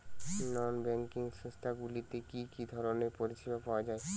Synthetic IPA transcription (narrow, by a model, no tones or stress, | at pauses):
nɔːnbɛ̃ŋkɪ̃ŋɡsə̃st̪ʰaɡulit̪ekikid̪ʱɔɾɔnepɔɾisibapaad͡ʒaːe